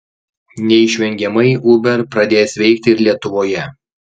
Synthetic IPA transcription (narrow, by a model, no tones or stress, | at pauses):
nʲɛɪʃʲʋʲɛŋʲɡʲɛmɐɪʊbʲɛɾpɾɐd̪ʲeːsʋʲɛɪkt̪ʲɪɪɾlʲiɛt̪ʊʋoːjɛ